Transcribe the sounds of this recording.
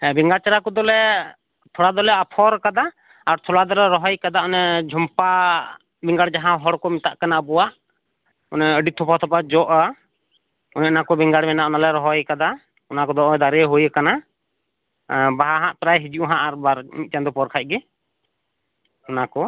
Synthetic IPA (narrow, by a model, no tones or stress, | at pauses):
ɛbiŋɡaɽt͡ʃaɾakɔd̪ɔlɛ | t̪ʰɔɽad̪ɔlɛapʰɔɾkad̪aː | ɾt̪ʰɔlad̪ɔlɛɾɔɦɔjkad̪aɔnɛd͡ʒʱɔmpa | biŋɡaɽd͡ʒaɦãɦɔɽkɔmit̪a̰ʔkanaəbɔwaʔ | ɔnɛəɖit̪ʰɔpat̪ʰɔpad͡ʒɔʔa | ɔnɛnakɔbɛŋɡaɽmɛnaʔɔnalɛɾɔɦɔjkad̪a | ɔnakɔd̪ɔʔd̪aɾɛɦujkana | baɦaɦãʔt̪ɾajɦid͡ʒuʔɦãʔaɾbaɾmit̪̚t͡ʃand̪ɔpɔɾkʰac̚ɡɛ | ɔnakɔ